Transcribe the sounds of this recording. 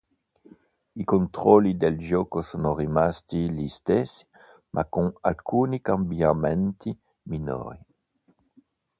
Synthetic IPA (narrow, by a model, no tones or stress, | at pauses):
ikont̪ɾɔlːid̪eld͡ʒɔːkosoːnorimast̪ilist̪esːi̥ | mʔa̰koŋa̰lkʰuːnikambiamɛnt̪i | mino̰ːɾi